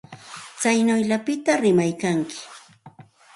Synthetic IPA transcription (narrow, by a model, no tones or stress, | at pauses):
t͡sajnʊjʎapɪt̪aɾɪmajkaŋkɪ̥